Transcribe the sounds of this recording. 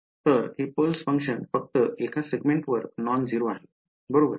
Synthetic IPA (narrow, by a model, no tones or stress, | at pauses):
t̪əɾɦipəlsfə̃ŋkʂənfək̚t̪əʔekaseɡmẽɳʈʋəɾknɔnd͡ziɾoaɦe | bəɾobəɾ